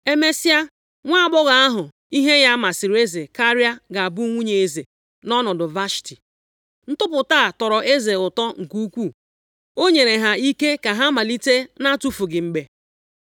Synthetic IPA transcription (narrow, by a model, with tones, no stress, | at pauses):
e˦me˦si˦a˦ | ŋʷa˦a˦˨bʊ˦ɣa˨a˦ɦʊ˨ | i˦ɦe˦ja˦ma˨sɪ˨ɾe˦ze˨ka˦ɾja˦ɡa˨a˨bu˦ŋʷu˦ɲe˨e˨ze˨ | nɔ˦nʊ˨dʊ˨va˦ʃi̥˨ti˨ | n̩˦tʊ˦pʊ˨taː˦˨tɔ˨ɾɔ˨ʔe˦ze˨ʊ˨tɔ˦ŋ̩˨ku˦kʷu˦˨ | o˦ɲe˨ɾe˨ɦa˨i˦ke˦ka˨ɦa˦ma˨li˦te˦na˦tu˦fu˨ɡɪ˨ŋ͡m̩˨ɡ͡be˨